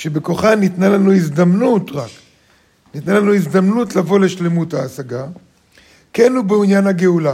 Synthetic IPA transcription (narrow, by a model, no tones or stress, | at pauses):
ʃebekoχanit̪nalanuizd̪amnutʁak | nit̪nalanuizd̪amnutlavo̞le̞ʃle̞muthaːsaɡa | kenhubeunjanhaɡeula